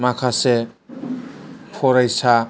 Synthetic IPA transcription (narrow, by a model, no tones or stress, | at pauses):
makʰase | pʰoɾʌjsʰa